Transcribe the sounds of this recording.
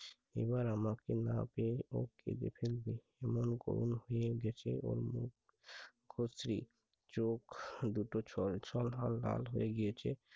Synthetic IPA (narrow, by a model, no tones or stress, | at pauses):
ḛbaɾamakenapeokḛd̪ḛpʰelbe | ɛmonɡo̰ɾṵnɦoeɡɛt͡ɕʰeʔo̰ɾmuk | ɡʰʱosɾi | t͡ʃokd̪uʈot͡ʃʰɔlt͡ʃʰɔlɦalːa̰lɦoeɡijet͡ʃʰe